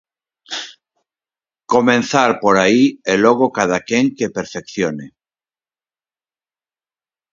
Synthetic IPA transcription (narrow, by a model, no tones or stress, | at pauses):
ko̞mẽnθaɾpoɾaieloɣ̞okað̞akeŋkepeɾfekθjone